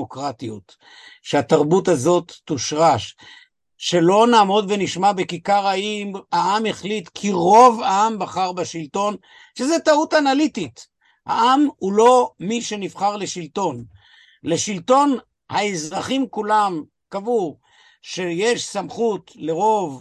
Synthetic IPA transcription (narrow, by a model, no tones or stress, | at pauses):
okʁatiut | ʃeat̪aʁbutazo̞t̪ːuʃʁaʃ | ʃe̞lo̞naːmo̞dveniʃmabekikaʁaimhaʔameχlitkʰiʁo̞vaambaχaʁbaʃilto̞n | ʃezetautanalitit | ha̰ʔamhulo̞miʃe̞nifχaʁle̞ʃilto̞n | le̞ʃilto̞n | haezʁaχimkulam | kavuʁ | ʃe̞jeʃsamχutle̞ʁo̞v